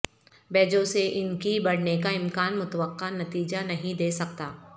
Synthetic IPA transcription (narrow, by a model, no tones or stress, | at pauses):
bɛːd͡ʒõseʔɪnkibɐɽ̤nekaɪmkaːnmʊt̪əʋəqːanɐt̪iːd͡ʒanɐɦĩd̪eːsɐk̚t̪aː